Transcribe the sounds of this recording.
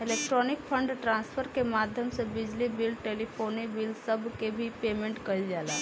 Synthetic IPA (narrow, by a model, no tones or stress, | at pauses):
ɪleːkʈɾɔnɪkpʰəɳɖʈɾãːnspʰəɾkemaːd̪ʱjəmsebɪd͡ʒlibɪlʈeːlipʰoːnibɪlsəbkebʱipeːmẽɳʈkɐid͡ʒaːlaː